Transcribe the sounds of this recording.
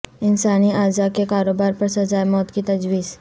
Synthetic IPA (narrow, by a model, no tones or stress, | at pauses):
ɪnsaːniaːzakekaːɾoːbaːɾpɐɾsɐzaːjmɔːt̪kit̪ɐd͡ʒʋiːz